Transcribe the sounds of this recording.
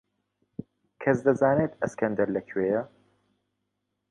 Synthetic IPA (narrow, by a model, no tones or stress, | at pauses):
kʰɐsd̪ɐzaːneːt̪ɐskʰɐnd̪ɐɾlɐkʰweːjɐ